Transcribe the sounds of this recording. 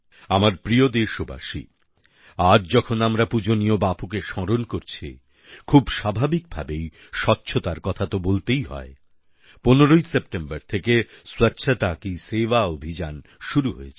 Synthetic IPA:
amaɾpɾiod̪eʃuba̰ʃḭ | ad͡ʑd͡ʑɔkʰonamɾapud͡ʑonijobapukeʃɔɾonkoɾt͡ɕʰḭ | kʰubʃabʱabik̚bʱa̰bej | ʃɔtːɕʰot̪aɾkɔt̪ʰat̪obolt̪ejɦɔ̰e | poneɾojsep̚ʈembaɾt̪ʰekeswatːɕʰat̪akiseʋaobʱid͡ʑanʃuɾuɦoet͡ɕʰe̥

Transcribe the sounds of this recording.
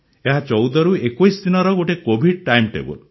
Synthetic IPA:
eɦat͡ʃɔwd̪ɔɾuekojsd̪inɔɾɔɡoʈekobʱiɖ̚ʈajmʈḛbɔ̰l

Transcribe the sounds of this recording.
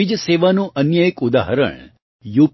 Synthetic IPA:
id͡ʒəseʋanũʔənjəjekud̪a̰ɦəɾə̰ɳ | jup

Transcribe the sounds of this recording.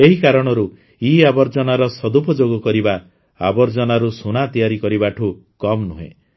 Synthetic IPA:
eɦikaɾɔɽ̃ɔɾu | iabɔɾd͡ʒɔnaɾɔsɔd̪upɔd͡ʒoɡɔkɔɾiba | a̰bɔɾd͡ʒɔnaɾusunat̪ijaɾikɔɾibaʈʰu | kɔmnuɦḛ̃

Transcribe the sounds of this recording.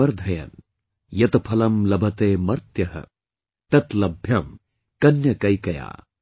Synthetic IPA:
ɐɾd̪ʱɐjɐ̰n | jɐt̪ɐpʰɐlɐmlɐbʱɐt̪eːmɐɾt̪jɐɦɐ̰ | t̪ɐt̪lɐbʱjɐm | kɐnjɐkɐjkɐja̰ː

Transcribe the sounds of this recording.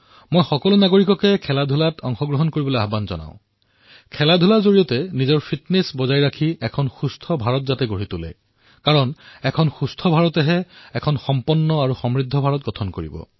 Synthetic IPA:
mojxɔkɔlunaɡoɹikɔkɛkʰɛladʱulatʰɔŋxɔɡɹɔɦɔnkoɹibɔloaɦbanzɔ̰na̰ʊ̃ | kʰɛladʱulazoɹiɔtɛnizɔɹpʰitnesbɔzajɹakʰiɛkʰɔnxustʰɔbʱaɹɔtzatɛɡoɹitulɛ̰ | kaɹɔnɛkʰɔnxustʰɔbʱaɹɔtɛɦɛɛkʰɔnxɔmpɔnːɔaɹuxɔmɹidʱːɔbʱaɹɔtɡɔtʰɔnkoɹḭbɔ̰

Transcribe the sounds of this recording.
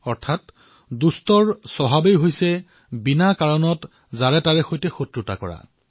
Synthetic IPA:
ɔɹtʰat | dustɔɹsɔɦabejɦojsɛ | binakaɹɔnɔt | zaɹɛtaɹɛxojtɛxotɹʊta̰kɔɹa̰

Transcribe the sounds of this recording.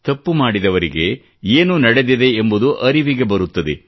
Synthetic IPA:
t̪ɐpːumaːɽid̪ɐʋɐɾiɡe̞ | eːnunɐɽe̞d̪id̪e̞ːmbud̪uʔɐɾiʋiɡe̞bɐɾut̪ːɐd̪e̞

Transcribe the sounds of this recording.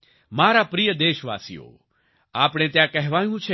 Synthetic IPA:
maːɾaːpɾijəd̪eːʃʋa̰ːsḭjo̰ː | aːpɽ̃ẽːt̪jãkɛɦʋaːjũt͡ʃʰe

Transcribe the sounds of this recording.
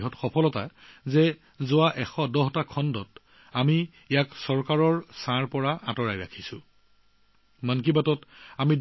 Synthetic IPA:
ɦɔtxɔpʰɔlɔta̰zɛ | zʊaʔɛxɔdɔɦtakʰɔndɔt | ami | ejaksɔɹkaɹɔɹsãɹpɔɹaa̰tɔɹajɹakʰisʊ̃ | mank̬ibatɔtamid

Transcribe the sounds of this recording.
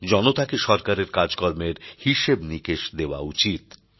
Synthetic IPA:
d͡ʑɔnot̪akeʃɔɾkaɾeɾkaɾd͡ʑkoɾmeɾhiʃebnikeʃd̪eoaut͡ɕit̪

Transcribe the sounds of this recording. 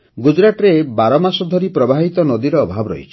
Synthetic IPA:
ɡud͡ʒɾaʈɔɾebaɾɔmasɔd̪ʱɔɾipɾɔbʱaɦit̪ɔnɔd̪iɾɔːbʱabɔɾɔ̰ḭt͡ʃʰi̥

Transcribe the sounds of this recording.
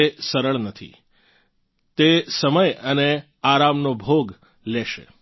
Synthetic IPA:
esəɾəɭnət̪ʰḭ | t̪esəməjəne | aɾamnobʱoɡ | leʃḛ

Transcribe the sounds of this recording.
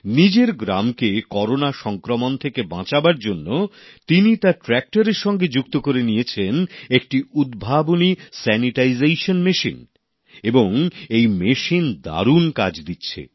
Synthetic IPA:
nid͡ʑeɾɡɾa̰mkekɔɾonaʃɔŋkɾomont̪ʰekebã̰t͡ɕabaɾd͡ʑonːo | t̪init̪aʈɾɛk̚ʈaɾeɾʃɔŋɡed͡ʑukt̪okoɾenijet͡ɕʰenek̚ʈiud̪bʱabonisɛniʈaizejʃonmeʃḭn | eboŋejmeʃind̪a̰ɾunka̰d͡ʑd̪itːɕʰḛ

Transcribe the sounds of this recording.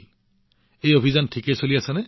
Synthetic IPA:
ejobʱizɔntʰikesoliasanɛ

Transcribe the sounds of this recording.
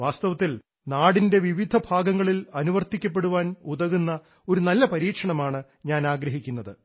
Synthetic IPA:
ʋaːst̪ɐʋɐt̪ːil | naːɽinde̞ʋiʋid̪ʱɐbʱaːɡɐŋːɐɭilɐnuʋɐrt̪ikʲːɐp̬ːe̞ɽuʋaːnuðɐɣunːɐ | o̞ɾunɐlːɐpɐɾiːkʂɐɳɐmaːɳɨ | ɲaːnaːɡɾɐɦikʲːunːɐðɨ

